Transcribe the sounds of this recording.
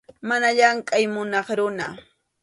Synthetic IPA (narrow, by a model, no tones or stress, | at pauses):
manaʎaŋkʼajmʊnɑχɾʊna